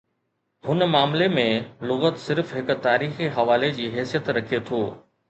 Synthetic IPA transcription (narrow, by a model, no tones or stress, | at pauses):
ɦʊnmaːmlemẽlʊɣət̪sɪɾfɦɪk̆t̪aːɾiːxiɦɐʋaːled͡ʑiːɦɛːsijət̪ɾɐkʰet̪ʰoː